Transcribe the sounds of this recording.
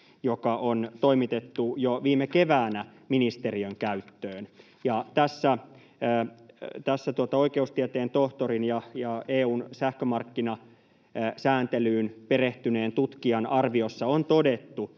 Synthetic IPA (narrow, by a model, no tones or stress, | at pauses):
jokɑʔont̪oimit̪et̪ːujoʋiːmekeʋæːnæ | minist̪e̞riøŋkæyt̪ːøːn | jɑt̪æsːæː | t̪æsːæt̪uot̪ɑoikeust̪iɛt̪eːnt̪oht̪oɾinjɑjɑeːuːnsæhkømɑrkːinɑ | sæːnt̪elyːnpeɾeht̪yne̞ːnt̪ut̪kiɑnɑrʋiosːɑont̪o̞de̞t̪ːu